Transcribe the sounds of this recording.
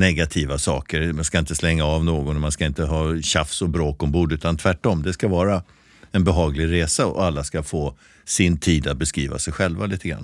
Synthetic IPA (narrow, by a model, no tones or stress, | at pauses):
nɛɡat̪ʰiːvasɑ̰ːkəɾmanskaɪnt̪əslɛŋːaɑvnoːɡɔnmanskaɪnt̪əɦɑːɕafsɔbɾoːkɔmbuːɖʉ̟ːt̪ant̪ʰvæʈːɔmːd̪ɛskavɑːɾa | ɛnbɛɦɑːɡlɪɡɾeːsaɔ̰alːaskafoː | sɪnt̪ʰiːd̪at̪̚bɛskɾiːva̰sɛjɧɛlvaliːt̪ʰəɡɾa̰nː